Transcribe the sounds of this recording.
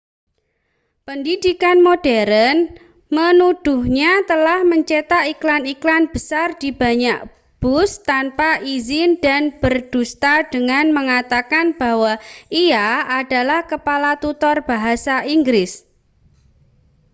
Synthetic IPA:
pəndid̥ikanmod̥ɛɾən | mənud̥uhɲat̪əlahməɲt͡ʃet̪aiklaniklanb̥əsard̥̪ib̥a̤ɲaʔ | b̥ʊst̪anpaʔizɪnda̤nb̥ərd̥ust̪ad̥əŋanməŋat̪akanb̥awaiaːd̥alahkəpalat̪ut̪ɔrb̥aɦasaʔiŋɡɾɪs

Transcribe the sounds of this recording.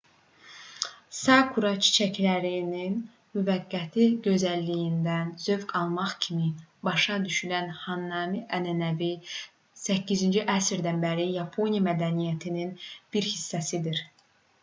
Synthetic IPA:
sɑkʰuɾɑt͡ʃʰi̥t͡ʃʰæclæɾinin | myvæɡːæt̪ʰiɟø̞zælːijind̪ænz̥ø̞vɡɑlˠmɑχcʰimibɑʃɑd̪yʃylænhɑnːɑmiʔænænævi | sæcːizind͡ʒiʔæsɾd̪ænbæɾijɑpʰo̞nijɑmæd̪ænijæt̪ʰininb̥iɾhisːæsid̪iɾ

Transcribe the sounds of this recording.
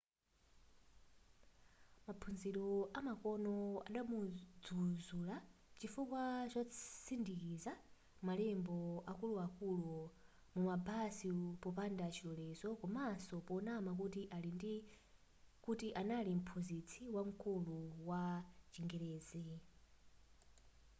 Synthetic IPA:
mapʰunziɾɔamakɔnɔa̰ɗamud͡zuzulat͡ʃifukwat͡ʃasindikiza | malɛmbɔakuluakulu | mumabasipɔpandat͡ʃʰilɔlɛzɔkɔmasɔpɔnamak̬utiʔalind | kutiʔanalim̩pʰunzit͡sʰiwaŋ̩kuluwat͡ʃiŋɡɛɾɛːzɛ

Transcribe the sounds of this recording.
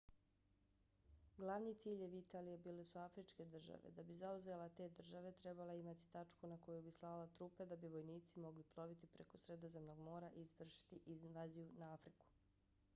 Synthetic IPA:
ɡlˠaʋniːt̪siːʎeʋit̪aːlijebiːle̞suafɾit͡ʃke̞d̪r̩ʒa̰ʋe̞̰d̪abizauzelˠat̪e̞ːd̪r̩ʒaʋe̞t̪ɾe̞baleimat̪i̥t̪at͡ʃkunako̞jubislˠalat̪ɾuːped̪abiʋo̞jniːt̪simo̞ɡliplˠo̞ʋit̪ipɾe̞kosɾe̞d̪o̞zemnoɡmo̞ːɾaʔizʋr̩ʃi̥t̪iʔiznʋaːzijunaafɾiku̥

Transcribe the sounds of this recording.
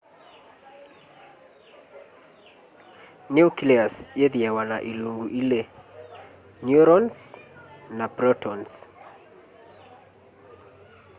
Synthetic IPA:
niukiliasjeðiɛwanaʔiluŋɡuʔile | njuɾɔns | nabɾɔtɔns

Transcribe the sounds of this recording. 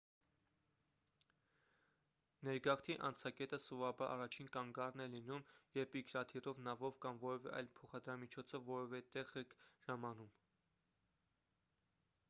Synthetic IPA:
nɛɾɡɑχt̪ʰiʔɑ̰nt͡sʰɑkɛt̪əsuvɑbɑɾʔɑ̰rɑt͡ʃʰinkɑŋɡɑrnɛlinumjɛɾpikʰɾɑt̪ʰirɔvnɑvɔvkɑmvɔɾɛvɛ̰ʔɑ̰jlpʰɔχɑd̪ɾɑmit͡ʃʰɔt͡sʰəvɔɾɔvɛt̪ɛʁɛkʒ̥ɑmɑnum

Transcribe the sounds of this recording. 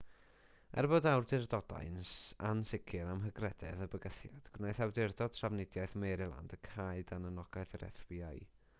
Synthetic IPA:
ɛ̰rbodawrdɪrdɔda̰jnsansɪkʰɪɾamɦəɡrɛdɛ̰ðəbəɡəθjad̥ɡ̥wnajθawdɪrdɔd̥tʰravnɪdjaɨθmejɾɪlˠa̰ndəkʰaɨdanənɔɡaɨθəɾɛ̰θwiaj

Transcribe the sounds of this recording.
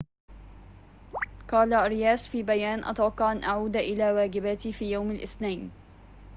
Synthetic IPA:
qɑːlaɾɪjaːsfiːbajaːnʔa̰t̪wɑqːɑʕʔanʔaʕuːd̪ʔɪlaːwaːɡɪbat̪ifiːjawmalʔɪθnajn

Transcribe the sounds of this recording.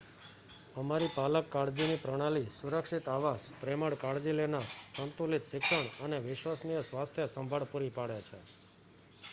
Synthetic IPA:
əmaɾipaləkːaɽd͡ʒinipɾəɽ̃alisuɾəkʃit̪aʋaspɾeməɽkaɽd͡ʒilenaɾsənt̪ulit̪ʃɪkʂəɳəneʋɪʃʋasnijəsʋast̪ʰjəsəmbʱaɭpuɾipaɽjat͡ʃʰḛ

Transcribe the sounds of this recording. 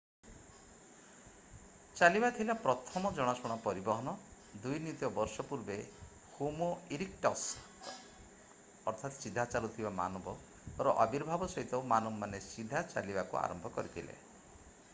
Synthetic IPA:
t͡ʃalibat̪ʰilapɾɔt̪ʰɔmɔd͡ʒɔɽ̃asɔɽ̃apɔɾibɔɦɔnɔ | d̪ujnit̪jɔbɔɾsɔpuɾbe | humoiɾik̚ʈɔs | ɔɾt̪ʰat̪sid̪ʱat͡ʃalut̪ʰibama̰nɔbɔ | ɔɾɔʔɔbiɾbʱabɔsɔɦit̪ɔmanɔmːanesid̪ʱat͡ʃa̰libakṵa̰ɾɔmbʱɔkɔɾit̪ʰilḛ

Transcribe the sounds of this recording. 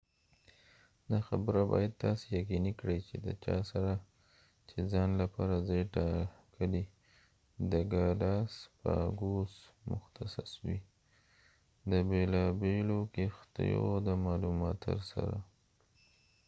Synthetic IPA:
d̪axabəɾabɑ̰jad̪̚t̪ɑsejaqinikɽəjt͡ʃed̪ə̰t͡ʃɑsaɾa | t͡ʃezɑnlapɑɾazeʈɑkəli | d̪əɡalɑspə̰ɡosmʊxt̪asaswḭ | d̪əbelɑbelokext̪ḭjod̪əmɑlumɑt̪ə̰ɾsa̰ɾa

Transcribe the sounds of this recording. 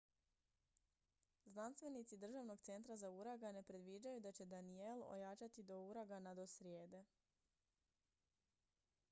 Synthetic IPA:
znanst̪ʋe̞nit̪sid̪r̩ʒaʋno̞ɡt̪se̞nt̪ɾazauɾaɡane̞pɾe̞d̪ʋid͡ʑajud̪at͡ɕe̞d̪anielo̰jat͡ʃat̪id̪o̞uɾaɡanad̪o̞sɾje̞ːd̪e̞

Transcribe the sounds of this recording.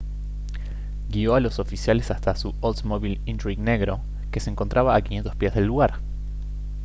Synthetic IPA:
ɡio̞alo̞so̞fisjale̞sast̪asuolsmoβilint̪ɾiɣne̞ɣɾo̞ | ke̞seeŋko̞nt̪ɾʔaβaːkinje̞nt̪o̞spjezðe̞lːuɣaɾ

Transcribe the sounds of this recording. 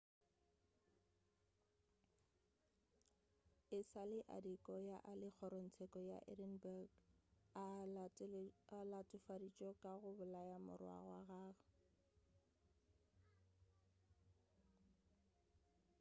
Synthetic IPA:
ɪsalɪʔa̰dikʼɔjaʔalɪk͡xʰɔɾon̩t͡sʰɛkʼɔja̰ʔɛ̰dɛnbaɡa | alatʼʊfadit͡ʃʼɔkʼaɣʊbʊlajamʊ̰rwa̰ɣwa̰ɣaːɣa

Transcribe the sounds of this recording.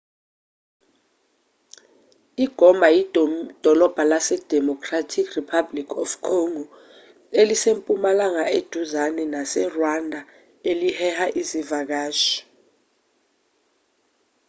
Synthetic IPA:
iɡ̥ʱɔmbʱajid̥ʱɔlɔb̥ʱalasɛd̥ʱɛmɔkʰʼratʰikripʰablikʰɔfkʰoŋɔ | elisempʼumalaŋaʔed̥ʱuzanɛnasɛrwandʱa | elihɛhaʔizivak̬aːʃɔ̥

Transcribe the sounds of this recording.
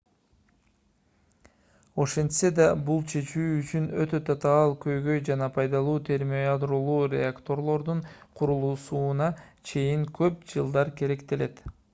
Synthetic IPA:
o̞ʃe̞nt̪se̞d̪ɑbulˠt͡ʃʰe̞t͡ʃyːyt͡ʃynø̞t̪ø̞t̪ʰɑt̪ɑːlˠkø̞jɡø̞jd͡ʒɑnɑpʰɑjd̪ɑlˠuːt̪ʰe̞ɾmoad̪ɾolˠuːɾʲḛakt̪o̞ɾlˠo̞ɾd̪uɴqʰuɾulˠuːsuːnɑt͡ʃʰe̞jiŋkʰø̞p̚d͡ʒɯlˠd̪ɑɾke̞ɾe̞kt̪e̞le̞t̪

